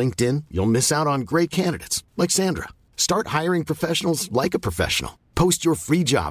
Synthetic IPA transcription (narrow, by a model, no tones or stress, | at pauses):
ɪ̃ŋk̚tɪ̃njṵlˠmɪsaʊɾn̩ɡɹeɪt̚kʰæ̃ndɨɾḛɪtslɛksæ̃ndɹə̰ | stɑɹt̚haɪə˞ɪ̃ŋpʰɹ̥ɨfɛʃnl̩ˠzlaɪkəpʰɹ̥əfɛ̰ʃə̰n̩̰l̩ˠ | pʰoʊst͡ʃə˞fɹid͡ʒɑ̰